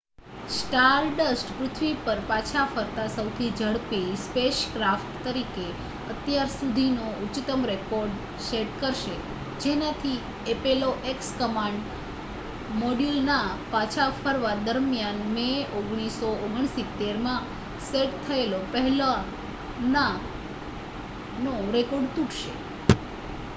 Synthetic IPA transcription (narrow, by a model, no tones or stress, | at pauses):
sʈaɾɖəsʈpɾʊt̪ʰʋipəɾpat͡ʃʰafəɾt̪asəwt̪ʰid͡ʒəɽpispeʃkɾafʈt̪əɾike | ət̪jaɾsud̪ʱinout͡ʃɪt̪əmɾekoɾɖ | seʈkəɾʃe | d͡ʒenat̪ʰi | epeloʔekskəmãɳɖ | moɖilnapat͡ʃʰafʰəɾʋad̪əɾmjanmeoɡɽ̃isooɡəɳ̃sit̪ːeɾmã | seʈt̪ʰəelopəɦɛla | na | noɾekoɖt̪uʈʰʃḛ